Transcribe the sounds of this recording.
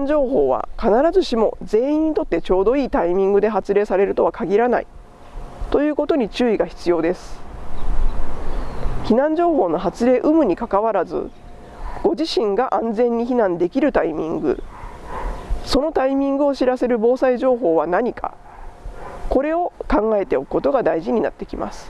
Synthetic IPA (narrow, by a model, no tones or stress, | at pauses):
ɲd͡ʑo̞ːɦo̞ːβ̞a̰kanaɾazɨɕimo̞̰d͡ze̞ːĩɲ̟ːit̪o̞t̪ːe̞t͡ɕo̞ːd̪o̞iːt̪aimʲĩŋɡɯd̪e̞ɦat͡sɨɾe̞ːsaɾe̞ɾɯ̟t̪o̞βakaɡʲiɾana̰ḭ | t̪o̞jɯ̟ːko̞t̪oɲ̟it͡ɕɨːiɡaçi̥t͡sɨjo̞ːd̪e̞sɨ̥ | çinãɲ̟d͡ʑo̞ːɦo̞ːno̞ɦat͡sɨɾe̞ːʔɯ̟mɯ̟ɲ̟ikakaβaɾazɨ̰ | ɡ̥o̞ʑiɕĩŋɡaʔãnd͡zẽ̞ɲ̟ːiçinãnd̪e̞kʲiɾɯ̟t̪aimʲḭ̃ŋɡɯ̰ | so̞no̞t̪aimʲĩŋɡɯ̟o̞ɕiɾase̞ɾɯ̟bo̞ːsaiʑo̞ːɦo̞ːβanaɲ̟ikʰa̰ | ko̞ɾe̞o̞kãŋɡae̞t̪e̞o̞kɯ̟ko̞t̪o̞ɡad̪aiʑiɲ̟ina̰t̪ːe̞kʲima̰sɨ̥